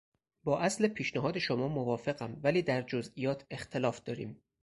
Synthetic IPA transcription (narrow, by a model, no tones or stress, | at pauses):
bɒːʔæslepʰiːʃnæɦɒːd̪e̞ʃomɒːmovɒːfe̞ɣæmvæliːd̪æɾd͡ʒozʔijɒːt̪ʰe̞xt̪ʰelɒːfd̪̥ɒːɾḭːm